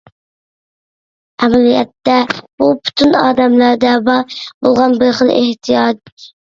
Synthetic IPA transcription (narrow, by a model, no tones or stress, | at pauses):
ɛmælijɛ̰t̪ːɛb̥upʰu̥t̪ʰunɑːd̪ɛmlæɾd̪ɛbɑɾbolˠʁɑnbɪɾχəlˠḛht̪ʰijɑd͡ʒ